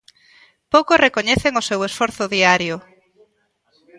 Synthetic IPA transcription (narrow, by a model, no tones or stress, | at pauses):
powkʊsrekoɲeθeŋʊsewesfɔɾθʊðiaɾjʊ